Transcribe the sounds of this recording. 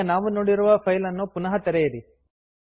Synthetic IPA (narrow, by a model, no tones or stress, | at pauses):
naːʋunoːɽiɾuʋɐpʰɐjlɐnːupunɐɦɐt̪ɛɾɛjɐɾi